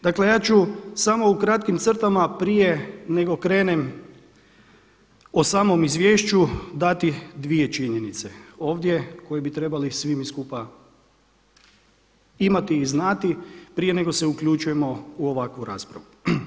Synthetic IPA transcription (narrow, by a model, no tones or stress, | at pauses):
d̪akle̞jaːt͡ʃusamo̞ukɾat̪kimt̪sər̩t̪amapɾije̞ne̞ɡo̞kɾe̞ːnem | osaːmo̞mizʋʲje̞ːʃt͡ʃud̪at̪id̪ʋije̞t͡ʃiɲe̞nit̪se̞o̞ːʋd̪je̞ko̞jebit̪ɾe̞balisʋimiskupa | imat̪iːznat̪ipɾije̞ne̞ɡo̞se̞ukʎut͡ʃuje̞mo̞uoʋakʋuɾa̰ːspɾa̰ʋu